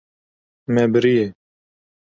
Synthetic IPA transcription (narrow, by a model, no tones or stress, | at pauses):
mɛːbəɾije